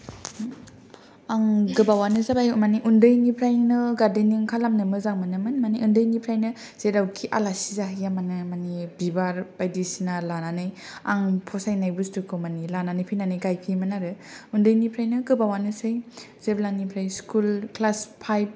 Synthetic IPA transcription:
aŋɡɯbawanɯzabajmaniʔundɯjnipʰɾajŋnɯɡaɾdeniŋkʰalamnɯmɯzaŋmanɯmɯnmaniundɯjnipʰɾajnɯ | z̥eɾawkʰiʔa̰lasizaɦjamanɯmanibibaɾb̥ajdisinalananɯjaŋpʰɔsajnajbɯstukʰɯmanilananɯjpʰinanɯjɡajpʰimanaɾɯundɯjnipʰɾajnɯɡɯbawanɯsɯj | z̥eblaŋnipʰɾajskulklaspʰajb̚

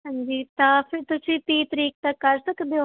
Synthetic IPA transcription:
ɦãːɲd͡ʒiːt̪ãːpʰɪɾt̪ʊsĩːt̪ĩːt̪əɾiːk̚t̪əkːəɾsəkd̪eo

